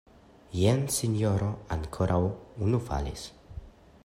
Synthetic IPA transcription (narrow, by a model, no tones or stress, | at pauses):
jensiɲoɾoaŋkʰoɾʔawunufa̰lḭs